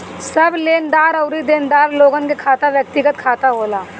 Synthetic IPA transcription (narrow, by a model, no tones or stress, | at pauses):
sɐbleːnd̪aːɾɐʊɾid̪eːnd̪aːɾloːɡənkekʰaːt̪aʋjək̚t̪ɪɡət̪kʰaːt̪aɦoːlaː